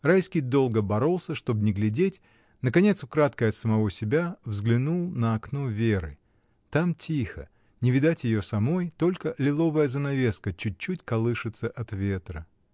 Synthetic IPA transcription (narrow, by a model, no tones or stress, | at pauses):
rajskʲɪjd̪o̞lˠɡəbɐɾo̞lˠsʲəʂt̪o̞bnʲɪɡlʲɪdʲetʲ | nəkɐnʲe̞t̪sʊkɾat̪kəɐt̪səmɐvo̞sʲɪbʲavzɡlʲɪnulˠnəɐkno̞vʲeɾɨ̰ | t̪amtʲʰixə̰ | nʲɪvʲɪd̪atʲjɪjosɐmo̞jt̪o̞lʲkəlʲɪlˠo̞vəjəzənɐvʲe̞skət͡ɕʉt̚ʲt͡ɕːutʲkɐlˠɨʂɨt̪səʔɐt̪vʲe̞t̪ɾə